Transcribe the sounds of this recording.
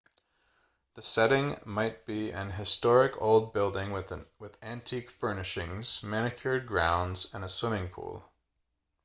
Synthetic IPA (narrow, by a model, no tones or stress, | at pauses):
ðɨsɛɾɪ̃ŋmaɪt̚b̥iɨ̰̃nɦɨstɔɹɪkʰo̰ʊlˠd̚bɪlˠdɪ̃ŋwɪðæ̃ntʰikfɜ˞nɨʃɪ̃ŋz̥mæñɨkʰjə˞d̚ɡɹãʊ̃ndz̥ɨ̃nəswɪ̃mɪ̃ŋpʰṵlˠ